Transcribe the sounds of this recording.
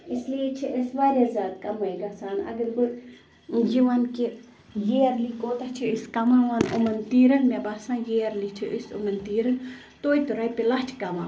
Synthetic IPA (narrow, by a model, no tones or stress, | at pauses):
islijet͡ʃʰiʔisʋaːɾʲjaːzʲaːd̪kɐmɐjɡɐsaːnɐ̰ɡɐɾbu | jiʋanki | jeɐɾlikoːt̪ɐht͡ʃʰiiskɐmãːʋaːnṵmɐnt̪iːɾɐnmebaːsãːjeɐɾlit͡ʃʰiʔisṵmɐnt̪iːɾɐn | t̪oːit̪uɾɐjpilɐt͡ʃʰkɐʋã̰ː